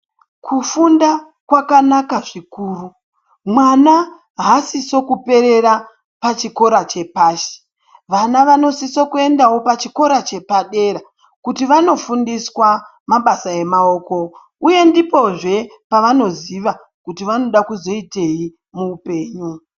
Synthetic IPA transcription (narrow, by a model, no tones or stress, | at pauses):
kʰufunda | kwakanakaʐikuːru | mwana | ɦasiso̞kupe̞ɾe̞ɾa | pat͡ʃiko̞ɾat͡ʃe̞paːʃe̥ | ʋanaʋano̞sisokue̞ndawo̞pat͡ʃiko̞ɾat͡ʃe̞paɗe̞ɾa | kutiʋano̞fundiswa | maɓasae̞mao̞ːko̞ | uje̞ndipo̞ʐe̞paʋano̞ziʋa | kutiʋano̞ɗakuzo̞ite̞i | muːpe̞ːɲu